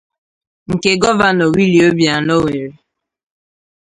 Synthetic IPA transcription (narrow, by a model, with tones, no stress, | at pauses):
ŋ̩˨ke˦ɡɔ˦va˨nɔ˨wi˦li˨o˦bja˨no˦we˨ɾe˨